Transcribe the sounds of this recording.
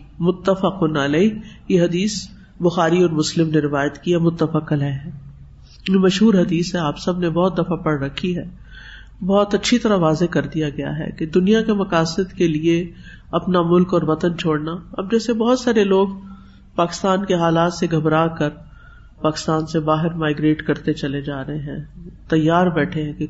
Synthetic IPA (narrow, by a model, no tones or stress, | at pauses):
mʊt̪ːəfəqʊnɐlɛːjeɦɐd̪iːs | bʊxaːɾiɔːɾmʊslɪmneɾɪʋaːjət̪kiɛmʊt̪ːəfəqəlɦɛɦɛ̃ː | jmɐʃɦuːɾɦɐd̪iːsɦɛaːpsɐbnebɔɦːt̪̚d̪ɐfapɐɽɾɐkʰːiɦɛː | bɔɦʊt̪ɐtːʃʰit̪ɐɾaʋaːzekɐɾd̪ijaɡɐja̰ɦɛ̰ked̪ʊnijakemɐkaːsɪd̪kelie | ɐpnamʊlkɔːɾʋɐt̪ənt͡ʃʰoːɽnaɐb̚d͡ʒɛːsebɔɦʊt̪saːɾeloːɡ | paːkɪ̥st̪aːnkeɦaːlaːt̪seɡʱɐbɾaːkɐɾ | paːkɪ̥st̪aːnsebaːɦɪɾmaːɪɡɾeːʈkɐɾt̪et͡ʃɐled͡ʒaːɾɐɦeɦɛ̃ːt̪ɐjːaːɾbɛːʈʰeɦɛ̃ke